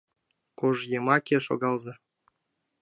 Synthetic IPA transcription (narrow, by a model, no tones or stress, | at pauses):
koʐjemɑkʲeʃo̰ɡɑlˠzɑ